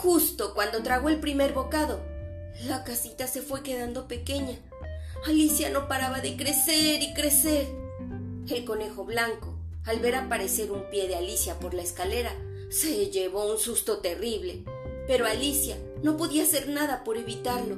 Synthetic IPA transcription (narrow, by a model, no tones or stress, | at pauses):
xust̪o̞kwand̪o̞t̪ɾaɣ̞o̞e̞lpɾime̞ɾβo̞kaðo̞ | lakasit̪ase̞fwe̞ke̞ðand̪o̞pe̞ke̞ɲa | alisjano̞paɾaβaðe̞kɾe̞seɾikɾe̞seɾ | e̞lko̞ne̞xo̞βlaŋko̞alβe̞ɾapaɾe̞se̞ɾumpje̞ðealisjapo̞ɾlaeskale̞ɾa | seʝe̞βo̞unsust̪o̞t̪e̞riβle̞̰ | pe̞ɾo̞alisja | no̞po̞ðiase̞ɾnaðapo̞ɾe̞βit̪aɾlo̞